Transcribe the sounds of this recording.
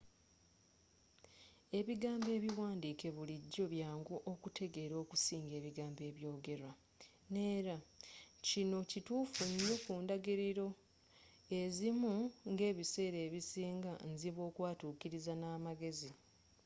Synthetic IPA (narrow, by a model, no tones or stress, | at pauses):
e̞βiɡaːmbe̞ːβiwaːndiːke̞βuliɟːo̞βjaːŋɡoʔokute̞ɡe̞ɾo̞ːkusiːŋɡe̞ːβiɡaːmbe̞ːβjo̞ːɡe̞ɾwa | ne̞ːɾacino̞cituːfuɲjo̞kuːndaɡiɾiɾo̞ | e̞zimuŋɡe̞ːβise̞ːɾe̞ːβisiːŋɡanziβo̞ːkwaːtuːkiɾizanaːmaɡe̞zi